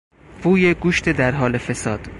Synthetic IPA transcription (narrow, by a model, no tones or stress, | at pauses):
vuːje̞ɡuːʃt̪ʰed̪æɾɦɒːle̞fe̞sɒːd̪̥